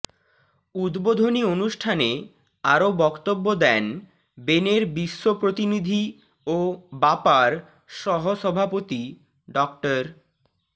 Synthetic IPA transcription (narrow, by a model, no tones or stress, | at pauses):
ud̪bod̪ʱonionuʃʈʰane | aɾobɔkt̪obːod̪ɛn | beneɾbiʃːopɾot̪inid̪ʱi | obapaɾ | ʃɔɦoʃɔbʱapot̪i | ɖɔk̚ʈaɾ